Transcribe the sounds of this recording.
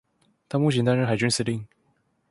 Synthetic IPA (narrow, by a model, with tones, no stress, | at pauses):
t̪ʰa˥mu˥˩t͡ɕʰɛ˧˥nt̪a˥nɻə˥xa˨˩ɪt͡ɕy˥nsɹ̩˥˩li˥˩ŋ